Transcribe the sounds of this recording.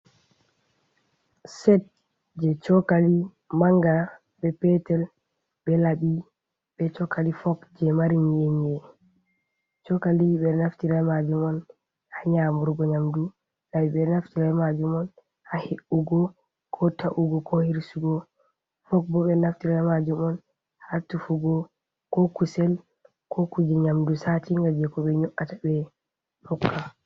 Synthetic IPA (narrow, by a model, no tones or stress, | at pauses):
sɛt̚ | d͡ʒɛt͡ʃɔkali | maŋɡa | bɛpɛtɛl | bɛlaɓi | ɓɛt͡ʃɔkʰːalifɔkd͡ʒɛmaɾiɲeɲɛ | t͡ʃɔkaliɓɛnaftiɾamad͡ʒumɔn | haɲamuɾɡɔɲamdu | lawiɓɛnaftiɾalmad͡ʒumɔn | haheʔuɡɔ | kʰɔtaʔuɡɔkʰɔhiɾsuɡɔ | fɔk̚bɔɓɛnaftiɾalmad͡ʒumɔn | hatufuɡɔ | kɔkusɛl | kɔkud͡ʒɛɲamdusatiŋɡad͡ʒɛkɔɓɛɲɔʔatabɛ | hɔkʰːa